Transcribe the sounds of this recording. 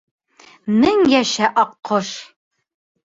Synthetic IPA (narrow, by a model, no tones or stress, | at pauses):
mɘŋjæʃæʔɒqʰːoʃ